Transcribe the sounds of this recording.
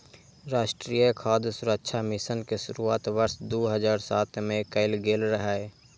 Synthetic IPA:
ɾaːʃʈɾijəkʰaːd̪sʊɾəkʃʰamɪsənkeʃʊɾuaːt̪ʋəɾsd̪oːɦəd͡ʒaːɾsaːt̪ʰmẽkəɪlɡeːlɾəɦaːe

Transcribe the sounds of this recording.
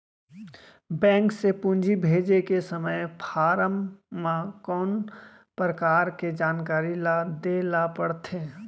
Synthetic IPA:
bɛ̃ːŋksepʊ̃nd͡ʒʱibʱeːd͡ʒekesəməjpʰaːɾəmːãkɔːn | pɾəkaːɾked͡ʒaːnkaːɾilad̪eːlapəɽt̪ʰe

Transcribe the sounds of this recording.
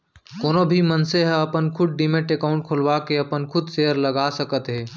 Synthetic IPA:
koːnobʱimənseɦəɐpənkʰʊɖ̚ɖiːmẽʈekaːʊ̃ɳʈ̚kʰʊlwakeɐpənkʰʊd̪seːəɾlɐɡaːsəkət̪ɦɛː

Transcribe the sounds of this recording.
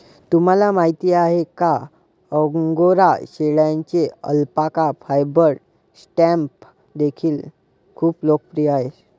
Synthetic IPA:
t̪um̤alamaɦit̪iːaɦeka | əɡoɾaɕeɭjãɲt͡ɕeə̰lpakafajbəɾ | sʈɛ̃mp | d̪ekʰiːl | kʰuːplok̚pɾijaɦe

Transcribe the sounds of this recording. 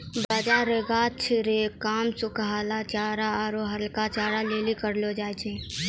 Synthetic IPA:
bəd͡ʒaɾeɡat͡ʃʰiɾekaːmsʊkɦaːlat͡ʃaːɾaːɾoɦəlkat͡ʃaːɾaleːlikəɾlod͡ʒaːjt͡ʃʰe

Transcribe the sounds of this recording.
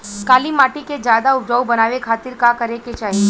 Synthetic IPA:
kaːlimaːʈiked͡ʒjaːd̪aʊpd͡ʒəwbənaːʋekʰaːt̪ɪɾkakəɾeket͡ʃaːɦie

